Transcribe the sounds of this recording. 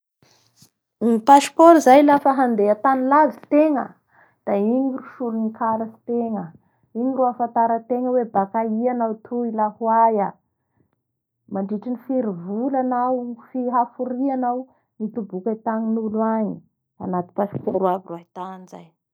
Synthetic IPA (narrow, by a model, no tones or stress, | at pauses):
nipasi̥poɾizajlafaɦand̪eat̪anilazi̥t̪eŋə̰ | d̪̥aiɲiruʃulunikʰalasi̥t̪eŋə | iɲiruafant̪aɾət̪eŋəwebakaianawt̪ʰuilahwaja | maɳɖ͡ʐiʈ͡ʂinifiɾivulanawfiɦafuɾianaw | nit̪ubukat̪aŋinuluaɲi | a̰nat̪i̥pasi̥poɾwaviruait̪aniza̰j